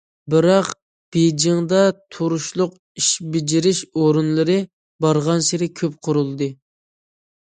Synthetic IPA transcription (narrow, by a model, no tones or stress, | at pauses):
bɪɾɑq | b̥ed͡ʒɪŋd̪ɑt̪ʰoɾuʃlˠʊq | iʃbɪd͡ʒɪɾɪʃoɾunlˠɨɾɨ | bɑɾʁɑnsɪɾɪkʲʰøp̚qʰʊɾulˠd̪ɨ